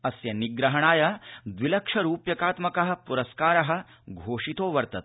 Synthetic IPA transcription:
ɐsjɐniɡɾɐɦɐɳ̃aːjɐd̪ʋilɐkʂɐɾuːpjɐkaːt̪mɐkɐɦɐ̆puɾɐskaːɾɐɦɐ̆ | ɡʱoːʂit̪oːʋɐɾt̪ɐt̪̚

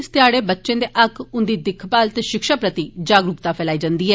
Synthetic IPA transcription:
st̪ɪjaːɽeːbətːʃẽːd̪eːʔəkʰʊnd̪iːd̪ɪkʰpaːlt̪eʃɪkʃaːpɾət̪iːd͡ʒaːɡɾupt̪aːpʰɛːlaːiːd͡ʒãnd̪iːɦɛː

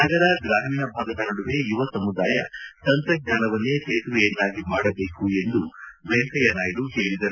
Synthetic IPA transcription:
nɐɡɐɾɐɡɾaːmiːnɐbʱaːɡɐt̪ɐnɐɽuʋe̞iʋɐsɐmud̪aːjɐsɐnt̪ɐɡ̚ɲaːnɐʋɐnːeːt̪eːt̪ɾueːnːaːɡimaːɽɐbe̞ːkue̞nd̪uʋeŋkɐjɐnaːjluɦeːɭid̪ɐɾu

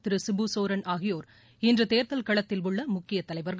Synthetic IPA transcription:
t̪ːɪɾɯsɪbusoːɾɐnʔaːɣɪjoːɾ | ɪndrɯt̪eːɾt̪ɐlkɐɭɐt̪ːɪlʋʊɭːɐmʊkːɪjɐt̪ːɐlɐɪʋɐɾɣ

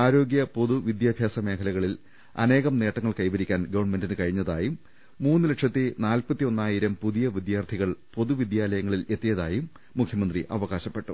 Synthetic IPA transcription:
aːɾo̞ːɡjɐpo̞ðuʋid̪jaːbʱjaːsɐme̞ːkʰɐlɐɣɐɭil | ɐ̰ne̞ːɣɐmne̞ːʈːɐŋːɐɭkɐjbɐɾikʲːaːnɡɐʋɐɳme̞ndinɨkɐɻiɲːɐðaːjumː | uːnːɨlɐkʂɐt̪ːinaːlpɐt̪ːio̞nːaːjiɾɐmpuðijɐʋid̪jaːrt̪ʰiɣɐɭpo̞ðuʋid̪jaːlɐjɐŋːɐɭile̞t̪ːijɐðaːjumː | ukʰjɐmɐnd̪riʔɐʋɐɣaːɕɐpːe̞ʈːṵ

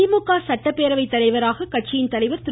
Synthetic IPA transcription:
ɪmʊkːaːsɐʈːɐpːeːɾɐʋɐɪt̪ːɐlɐɪʋɐɾaːɣɐkɐʈ̚t͡ʃɪjɪnt̪ɐlɐɪʋɐɾt̪ɪ

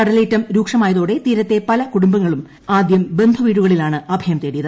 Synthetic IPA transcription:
ɐɽɐleːtːɐmɾuːkʂɐmaːjɐðoːɽe̞t̪iːɾɐt̪ːe̞pɐlɐkuɽumbɐŋːɐɭum | aːd̪jɐmbe̞nd̪ʱuʋiːɽuɣɐɭilaːɳɨɐbʱɐjɐmt̪eːɽijɐðɨ

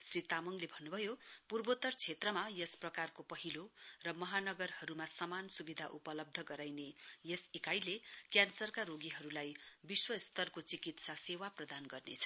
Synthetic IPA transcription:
srit̪amʌŋlebʱʌnːubʱʌjopurbot̪ʌrt͡sʰet̪rʌmajʌsprʌkarkopʌɦilorʌmʌɦanʌɡʌrhʌɾumasʌmansubid̪ʱaʔupʌlʌb̚d̪ʱʌɡʌɾajnejʌsekajlekjansʌrkaɾoɡiɦʌɾulajbiswʌst̪ʌrkot͡sikit̪sasewaprʌd̪anɡʌrnḛt͡sʰʌ̥

